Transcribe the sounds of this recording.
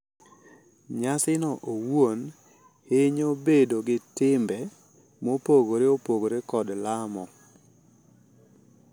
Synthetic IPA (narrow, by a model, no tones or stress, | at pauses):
ɲasɪnɔʔowwon | heɲobedoɡɪtɪmbɛ | mopoɡoɾeopoɡoɾekɔdlamɔ